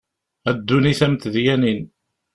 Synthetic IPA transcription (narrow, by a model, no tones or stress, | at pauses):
æd̪ːuniθæmt̪ðjænin